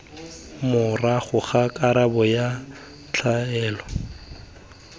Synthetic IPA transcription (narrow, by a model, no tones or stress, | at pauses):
mʊraχʊχakʼaɾabɔja | t͡ɬʰaɛːlɔ